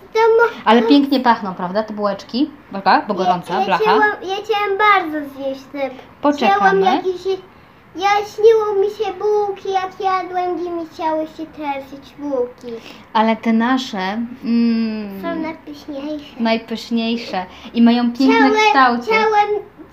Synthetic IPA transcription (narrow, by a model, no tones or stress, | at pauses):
t̪ɔmʔalɛpʲjɛŋkɲɛpaxnɔ̃w̃pɾavd̪at̪ɛbuwɛt͡ʂkʲi | bakabɔɡɔɾɔnt̪salaxaawɛmjaxt͡ɕawɛmbaɾd̪zɔvʲɲeɕt̪ɪmpɔt͡ɕt͡ʂɛawɛmjakʲeɕ | jaɕɲiwɔ̃wmʲiɕɛbuwkʲijakjad̪wɛŋɡʲimʲixt͡ɕawɘɕɛt̪ɾɛvʲid͡ʑbuwkʲi | alɛt̪ɛnaʂɛ | sɔ̃wnajpɘɕɲejʂɛnajpɘɕɲejʂɛimajɔ̃w̃pʲjɛŋknɛt̪awt͡ɕawɛm